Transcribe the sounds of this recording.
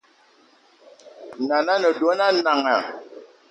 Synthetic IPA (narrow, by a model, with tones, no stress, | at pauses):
na˨na˦nə˨do˨˦na˦na˨ŋa˨